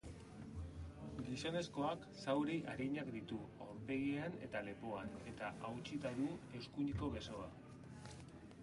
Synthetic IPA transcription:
ɡiso̞ne̞sko̞ak | sawɾiʔaɾiɲakd̪it̪uombeɣiane̞̰t̪ale̞po̞ane̞t̪aʔawt͡ʃit̪aðue̞wskuɲiko̞βe̞so̞a

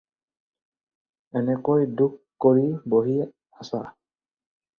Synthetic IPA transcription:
ɛnɛkojdukːkːoɹiboɦi | asa

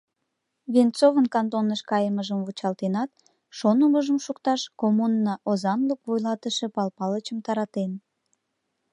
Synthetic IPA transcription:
βent͡sovənkɑnt̪onəʃkɑjəməʒəmvut͡ɕɑlt̪enɑt̪̚ | ʃonəməʒəmʃukt̪ɑʃkomunːɑʔozɑnləkvojlɑt̪əʃepɑlpɑlət͡ɕəmt̪ɑɾɑt̪en

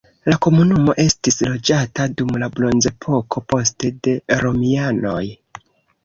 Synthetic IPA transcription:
lako̞munumo̞ʔe̞stislo̞d͡ʒatadumlablo̞nze̞pʰo̞kʰo̞po̞ste̞de̞ɾo̞miano̞j

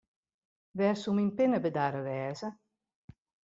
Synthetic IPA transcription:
ʋɛrsuminpɪnəbədaɾəʋɛːzə

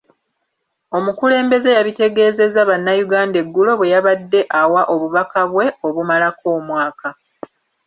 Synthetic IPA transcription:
o̞mukule̞ːmbe̞ze̞jaβite̞ɡe̞ːze̞zaβanːajuɡaːnde̞ɡːulo̞βwe̞jaβadːe̞ʔawaʔo̞βuβakaβwe̞o̞βumalako̞ːmwaːka

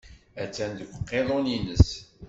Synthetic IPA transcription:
æt͡sːænd̪əwʷqːeðˤoninəs

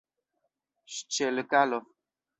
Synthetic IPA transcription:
ʃt͡ʃɛləkalɔ

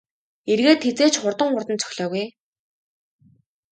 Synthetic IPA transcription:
erɣeːt̪xet͡seːt͡ɕχʊrt̪ə̆ŋχʊrt̪ə̆nt͡sʰœ̥xʲɮɔːɣuj

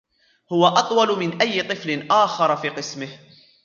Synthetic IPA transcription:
hʊwaʔɑt̪ˤwɑlmɪnʔajːɪt̪ˤɨflɪnʔaːxɑɾˤfiːqɨsmɪh

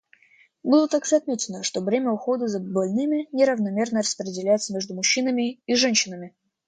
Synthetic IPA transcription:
bulˠət̪ːakzɐt̪mʲetʲɪnəʂt̪ovɾʲemʲəʊxo̞d̪əzəbɐlʲnɨmʲɪnʲɪɾəvnɐmʲe̞rnərəspɾʲɪdʲɪlʲæjɪt̪səmʲeʐd̪ʊmʊɕːinəmʲɪiʐɛnʲɕːɪnəmʲɪ

